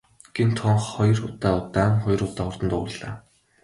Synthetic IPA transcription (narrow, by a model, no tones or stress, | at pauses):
ɡ̥ent̪ʰɔɴχχɔjrʊt̪aːʊt̪aːŋχɔj̆rʊt̪aːʊrt̪ə̆nt̪ʊ̰̆ɮ̥a̰ː